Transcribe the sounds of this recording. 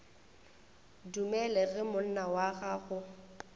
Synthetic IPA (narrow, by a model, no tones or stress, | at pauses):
dumɛlɛɣɪmʊn̩nawaɣaɣʊ